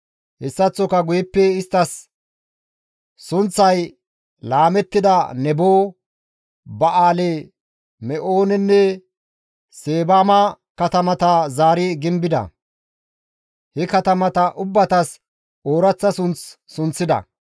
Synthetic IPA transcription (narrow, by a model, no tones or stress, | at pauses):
hɛsːɐt͡sːɔkɐɡʊjɛpːɛɪst̪ːɐs | ʊnt͡sːɐj | laːmɛt̪ːɪd̪ɐnɛboː | bɐʔaːlɛ | mɛʔoːnɛnːɛ | seːbaːmɐ | kɐt̪ɐmɐt̪ɐzaːɾɪɡɪmbɪd̪ɐ̰ | hɛkɐt̪ɐmɐt̪ɐʔʊbːɐt̪ɐs | oːɾɐt͡sːɐsʊnt͡sː | ʊnt͡sːɪd̪ɐ̰